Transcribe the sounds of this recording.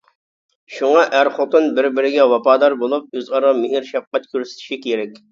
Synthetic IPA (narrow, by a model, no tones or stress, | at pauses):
ʃuŋɑʔæɾχot̪ɨnbɪɾbɪɾɪɡʲɛwɑpɑːd̪ɑɾbolˠup̚øzɑɾɑmɪɦiɾʃɛf̚qɛt̪̚kʲʰøɾsɪ̥t̪ʰɪ̥ʃikʲʰeɾɛkʲ